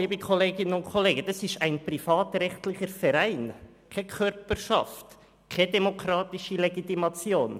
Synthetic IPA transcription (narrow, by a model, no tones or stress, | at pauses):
iːbəkʰoleːɡɪnənʊntkʰoleːɡəd̥ɑsɪʃæɪnpɾifɑːtɾɛχtlɪχəɾfɛɾæɪn | kʰɛkʰœɾpəɾʃɑ̰ft | kʰɛdɛmokɾɑːt̪ɪʃileɡitimɑt͡sjoːn